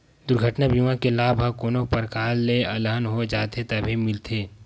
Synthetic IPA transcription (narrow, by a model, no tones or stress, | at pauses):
d̪ʊɾɡʱəʈnabʱimãkelaːbʱakoːnopəɾkaːlːeɐləɦənɦod͡ʒaːt̪et̪ɐbʱimɪlt̪ʰeː